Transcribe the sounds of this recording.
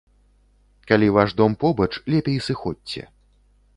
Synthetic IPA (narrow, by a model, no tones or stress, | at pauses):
kalʲivaʐd̪ɔmpɔbɐt͡ʂlʲɛpʲejsɨxɔtʲːt͡sʲːɛ̰